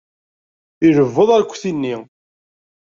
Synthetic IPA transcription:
iɾəvːəðˤæɾkʷːθinːi

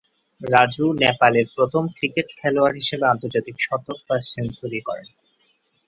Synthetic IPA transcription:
ɾad͡ʑunɛpaleɾpɾot̪ʰomkɾikeʈkʰɛloaɾɦiʃebeant̪oɾd͡ʑat̪ikʃɔt̪ːoɾpaɾʃensoɾikɔ̰ɾḛn

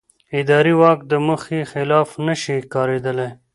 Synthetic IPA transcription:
ɪd̪ɑɾiwɑkd̪əməxixɪlɑːfnəʃikɑːɾed̪əle

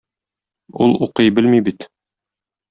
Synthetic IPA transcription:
ṵlˠuqɤjbɘlmibit̪

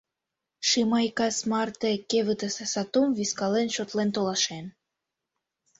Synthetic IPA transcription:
ʃimɑjkɑsmɑrt̪ekeβɨt̪əsesɑt̪umviskɑlenʃot̪lent̪olɑʃen

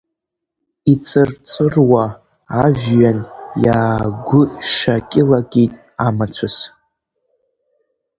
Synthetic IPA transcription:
it͡sʰʼɨrt͡sʷʼɨrwaː | ʒʲᶣɥanjaːɡʷʊʂakʲʼɪlaɡʼitʼ | amat͡sʷʰas

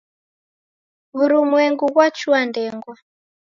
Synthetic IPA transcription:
βuɾumwɛŋɡuɣwat͡ʃuandɛŋɡwa

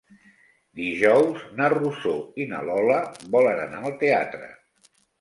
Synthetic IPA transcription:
d̪iʒɔwznərusoinə̰lɔləβɔlənə̰naəlˠt̪eat̪ɾə̰

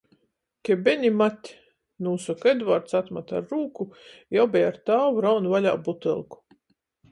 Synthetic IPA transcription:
kʲɛbʲenʲimat̪ʲː | nuːsɔked̪vaɾt̪sat̪mat̪aɾːuːkujawbʲɛjaɾt̪aːwuɾawnvalʲa̰ːbut̪ɛ̰lˠku̥

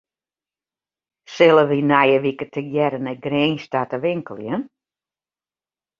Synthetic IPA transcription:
sɪlˠəʋinajəʋikətʰəɡjɛɾənɛɡreːnstatəʋɪŋkəlˠjən

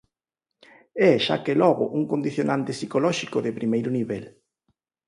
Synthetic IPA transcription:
ɛʃa̰kelɔɣʊ̰ʔuŋkond̪iθjonant̪ɪsikolɔʃikʊðɪpɾimejɾʊniβɛl

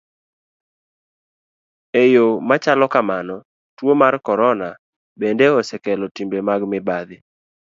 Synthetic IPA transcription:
ejomat͡ʃalɔkamanɔ | twomarkɔɾɔna | bendeɔsɛkɛlɔtimbemaɡmɪbad̪ɪ

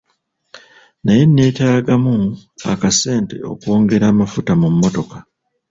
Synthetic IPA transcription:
naje̞nːe̞ːtaːɡamua̰kase̞ːnte̞̰o̞̰kwo̞ːŋɡe̞ɾaːmafutamumːo̞to̞kḁ

